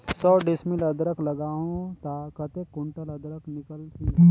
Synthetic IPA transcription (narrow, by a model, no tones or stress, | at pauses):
sɔːɖɪsmɪləd̪ɾəklɐɡaːɦõt̪akət̪ekːʊɳʈələd̪ɾəknɪkəlt̪ʰi